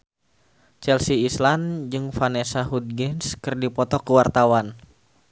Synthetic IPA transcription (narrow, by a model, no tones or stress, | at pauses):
t͡ʃɛlsiːsland͡ʒɨŋfanesaɦud̪̚ɡɛnskɨrdipɔt̪ɔkəwart̪awan